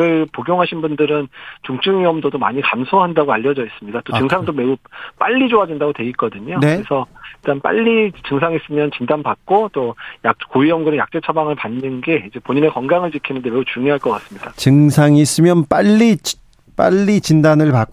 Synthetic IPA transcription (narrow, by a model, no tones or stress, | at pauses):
ɯɭpoɡjoŋɦaɕʰinbundɯɾɯnt͡ɕuŋt͡ɕ͈ɯŋiʌmdodoma̰ɲikamsʰoɦandaɡoaʎːʌd͡ʑʌis͈ɯmɲidat͈ot͡ɕɯŋsʰaŋdome̞up͈aʎːid͡ʑoadwindaɡotweɡik͈ʌdɯɲonneɯɾesʰʌiɭt͈anp͈a̰ʎːit͡ɕɯŋsʰaŋis͈ɯmjʌnt͡ɕindanbak̚k͈ot͈ojak̚koiʌmɡɯɾɯnja̰k̚t͡ɕ͈e̞t͡ɕʰabaŋɯɭpanːɯnɡe̞id͡ʑe̞poɲine̞kʌnɡaŋɯɭt͡ɕikʰinɯnde̞me̞ut͡ɕuŋjoɦaɭk͈ʌk͈as͈ɯmɲid̥at͡ɕɯŋsʰaŋis͈ɯmjʌnp͈aʎːit͡ɕ | p͈a̰ʎːit͡ɕindanɯɭpa